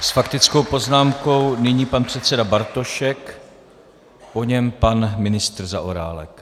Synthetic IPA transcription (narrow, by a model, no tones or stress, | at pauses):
sfakt̪ɪt͡sko̞wpo̞znaːmko̞wnɪɲiːpanpr̝̥ɛt̪t͡sɛdabaɾt̪o̞ʃɛk | po̞ɲɛmpanmɪnɪst̪r̩zaʔoɾa̰ːlɛ̰k